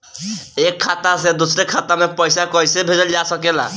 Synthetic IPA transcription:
ekʰːat̪ased̪usɾekʰat̪amepɔjsakɔjsebʱed͡ʒɔld͡ʒasɔkela̰

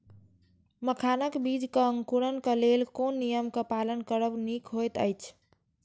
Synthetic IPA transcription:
məkʰanəkbid͡ʒkəə̃ŋkuɾənkəlelkonːijəmkəpalənkəɾəbnikɦojt̪ə̰jt͡ʃʰ

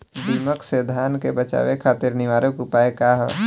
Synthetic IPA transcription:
d̪iːməksed̪ʱaːnkebət͡ʃa̰ːʋekʰaːt̪ɪɾnɪʋaːɾəkupaːekaːɦɛ̰

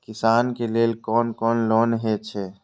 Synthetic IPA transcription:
kɪsaːnkeleːlkɔːnkɔːnloːnɦet͡ʃʰɛː

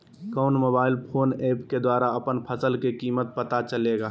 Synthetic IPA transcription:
kɔʊnmobaːɪlpʰoːneːpked̪waːɾaəpənpʰəsəlkekiːmət̪̚pət̪at͡ʃəleːɡaː

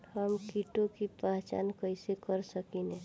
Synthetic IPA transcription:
həmkiʈokipaɦt͡ʃa̰nkəɪsekəɾsəkinɛ̃

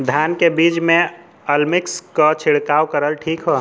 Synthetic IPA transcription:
d̪ʱjankebid͡ʒmẽ | əlmikskət͡ʃʰiɽkawkəɾəlʈʰiːkɦo

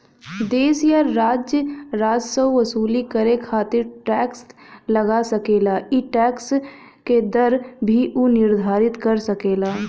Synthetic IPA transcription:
d̪eːsjaɾːaːd͡ʒjəɾaːd͡ʒsəwʋɐsuːlikəɾekʰaːt̪ɪɾʈɛːkslɐɡasəkeːlaːʔiʈɛːks | ked̪əɾbʱiʔunɪɾd̪ʱaːɾɪt̪kəɾsɐkeːlaː

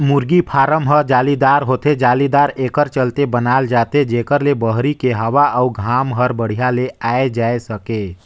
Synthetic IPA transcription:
muɾɡipʰaɾəmɦəɾd͡ʒalid̪aɾɦot̪ed͡ʒalid̪aɾekəɾt͡ʃəlt̪ebənald͡ʒat̪ed͡ʒekəɾlebəɦɾikeɦəʋaʔəuɡʱamɦəɾbəɽ̤ijaleaed͡ʒaesəke

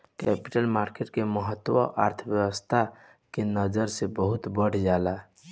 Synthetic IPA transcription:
kɛpi̥ʈəlmaɾkeʈkeməɦət̪ːwə̰ʔa̰ɾt̪ʰəbjəwəst̪ʰa | kenəd͡ʒəɾsebəɦut̪bəɽ̤d͡ʒala

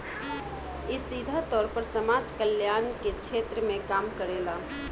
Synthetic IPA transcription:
isid̪ʱət̪ɔɾpəɾsəmad͡ʒkəljanket͡ʃʰet̪ɾəmekamkəɾela

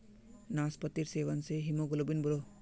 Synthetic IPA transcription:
naːspɐt̪ːiɾseːʋɐnseɦimoɡulobinbʱuɾo

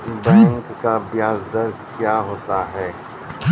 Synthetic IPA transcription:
bɛ̃ːŋkːabjaːzd̪əɾɡkjaːɦoːt̪aɦɛː

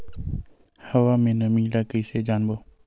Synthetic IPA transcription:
həʋaːmẽːnəmĩːlaːkəiːseːd͡ʒaːnboː

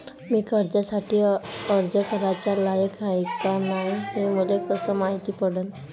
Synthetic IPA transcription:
miːkəɾd͡ʑasaʈʰiːəɾd͡zəkʰəɾat͡ɕalajəkajkanaɦemulekəsəmaɦit̪iːpəɽən

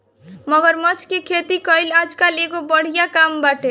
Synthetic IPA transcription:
mʌɡʌɾmʌt͡ʃkekʰet̪ikʌjlad͡ʒkaleɡobəɽ̤ijakambaʈe

